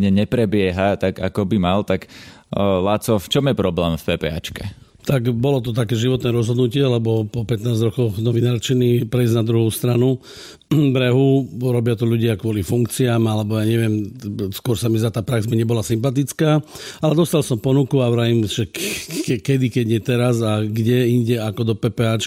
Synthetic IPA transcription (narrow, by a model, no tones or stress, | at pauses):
ɲɛɲɛpɾɛbɪɛɦat̪aɡa̰kɔbimalt̪ak | lat͡sɔft͡ʃɔmjɛpɾɔblɛːmfpɛːpɛ̰ːa̰t͡ʃkɛ | t̪aɡbɔlɔt̪ɔt̪̬akɛːʒiʋɔt̪nɛːɾɔzɦɔd̪nucɪɛlɛbɔpɔpɛt̪naːzɾɔkɔʊnɔʋinaːɾt͡ʃinipɾɛizɟnad̪ɾuɦuːst̪ɾanu | bɾɛɦuɾɔbɪat̪ɔʎuɟɪakʋʊɔlifuŋkt͡siaːmalɛbɔjaːɲɛʋɪɛmskʊɔɾsamizat̪aːpɾaɡzmiɲɛbɔlasimpat̪̬it͡skaːalɛd̪ɔst̪alsɔmpɔnukuaʊɾaimʒɛkɛkɛd̪ikɛɟɲɛt̪ɛɾazaɡɟɛiɲɟɛakɔd̪ɔpɛːpɛat͡ʃ